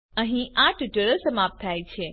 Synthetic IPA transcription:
əɦĩaʈʈəɾəsəmap̚t̪ʰajt͡ʃʰe

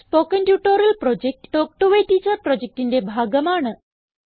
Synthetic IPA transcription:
spokənʈjuʈoɾəlpɾɔd͡ʑek̚ʈʈok̚ʈuʋeʈit͡səpɾɔd͡ʑek̚ʈind̪ebʱaɡəmaɳə

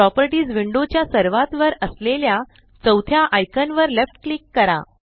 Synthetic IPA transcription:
ɾɔpəɾʈiːd͡zʋiɳɖot͡ɕjasəɾʋat̪ʋəɾəslelja | t͡səwt̪ʰjaʔajkʰənʋəɾlefʈklikːəɾa̰

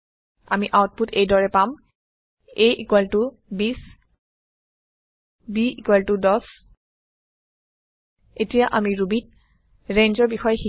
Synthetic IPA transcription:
a̰miʔawt̚putejdɔɹɛpam | ejʔikwaltʊ | bis | biikwaltudɔs | etijaʔamiɹubit̚ | ɹenzɔɹbixɔjxi

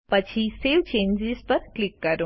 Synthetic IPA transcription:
pət͡ɕʰiseʋt͡ʃẽɲd͡ʒizpəɾklikːəɾũ

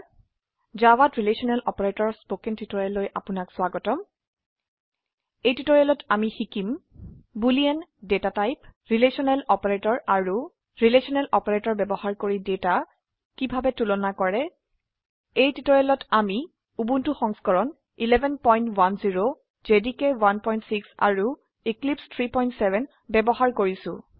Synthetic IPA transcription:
zawatɹilesɔnɛlʔɔpɔɹetɔɹspokɛntitɔɹɛlːojʔapʊnakswaɡɔtɔm | ejtitɔɹelɔtamixikimbuliɛndetatajpɹilesɔnɛlɔpɔɹetɔɹaɹu | ɹilesɔnɛlɔpɔɹetɔɹbɛbɔhaɹkoɹideta | kibʱabɛtulɔnakɔɹɛ | ejtitɔɹɛlɔtʰami | ubuntuxɔŋskɔɹɔn | ilɛbʱɛnpɔjntwanziɹo | zedikɛwanpɔjntsiksa̰ɹu | iklipstʰɹipɔjntsɛvʱɛn | bɛbɔhaɹkoɹisʊ̰̃

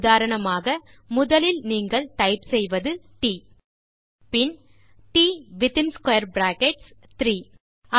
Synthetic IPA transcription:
ðaːɾɐɳɐmaːɣɐ | mʊðɐlɪlniːŋɡɐɭʈ̪ɐɪpsɛjʋɐðɯʈiː | pɪn | ʈiːʋɪt̪ɪnskɐjɐɾbɾaːkɛʈs | t̪ɾiː | ɐ

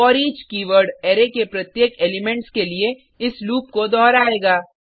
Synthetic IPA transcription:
ɔːɾiːd͡ʒkiːʋəɾɖeːɾekepɾɐt̪jeːkeːlɪmɛ̃ɳʈskelie | ɪsluːp̚kod̪ɔːɾaːeːɡaː

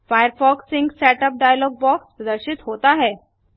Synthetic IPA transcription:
fajəɾfɔksiŋɡsæʈəp̚ɖajəlɔɡ̚bɔkspɾəd̪əɾɕit̪ɦot̪aɦɛ

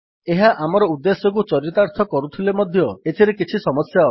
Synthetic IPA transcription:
eɦaʔamɔɾɔud̪ːesɔk̬ut͡ʃɔɾit̪aɾt̪ʰɔkɔɾut̪ʰilemɔd̪ʱjɔet̪ʰiɾekit͡ʃʰisɔmɔsjaɔ

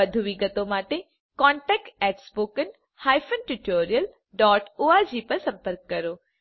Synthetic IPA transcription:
əd̪ʱuʋiɡət̪õmaːʈe | kɔːɳʈɛk̚ʈɛːʈspoːkən | haːjfʰənʈuʈoːɾijəl | ɖɔːʈoːad͡ʒipɐɾsɐ̃mpəɾkːɐɾoː

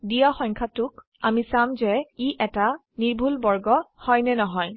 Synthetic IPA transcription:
dijaxɔŋkʰatʊk | amisamzɛiʔɛta | niɹbʱulbɔɹɡɔhɔjnɛnɔɦɔj

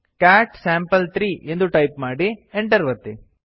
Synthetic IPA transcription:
kaːʈsaːmpɐlt̪ɾiːʔend̪uʈɐjpmaːɽieɳʈɐɾʋɐt̪ːi

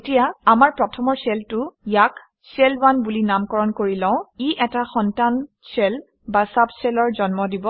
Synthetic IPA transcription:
etijaamaɹpɹɔtʰɔmɔɹsɛltʊjak | sɛlbanbulinamkɔɹɔnkoɹilãʊ̃iʔɛtaxɔntan | sɛl | basabsɛlɔɹzɔnmɔdibɔ

